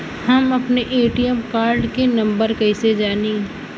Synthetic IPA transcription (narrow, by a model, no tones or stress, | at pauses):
hɐmɐpneʔeːʈiəmkaːɾɖkenɐ̃mbəɾkɐɪsed͡ʒaːne